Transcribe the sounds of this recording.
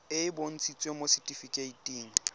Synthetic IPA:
ɪɪbon̩t͡sʰʼit͡sʼwemosɛtʼifikʼeitʼiːŋ̩

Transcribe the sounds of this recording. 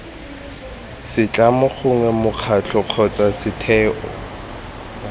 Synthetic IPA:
sɪt͡ɬʼamʊχʊŋɛmʊq͡χʰat͡ɬʰɔq͡χʰɔt͡sʼasɪtʰɛːʔɔ̰

